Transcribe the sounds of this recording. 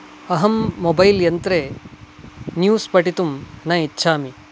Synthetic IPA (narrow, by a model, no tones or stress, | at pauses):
ɐɦɐmːobɐjljɐnt̪ɾe | njuːspɐʈit̪umnɐitːʃʰaːmi